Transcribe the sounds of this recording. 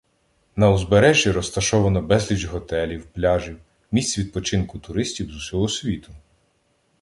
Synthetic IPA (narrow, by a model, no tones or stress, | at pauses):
nɐʊzbeɾɛʒʲjiɾɔst̪ɐʃɔʋɐnɔbɛzʲlʲid͡ʒɦɔt̪ɛlʲiwplʲɑʒʲiw | mʲisʲt͡sʲʋʲid̪̚pɔt͡ʃɪnkʊt̪ʊɾɪsʲtʲiwzʊsʲɔɦɔsʲʋʲit̪ʊ̥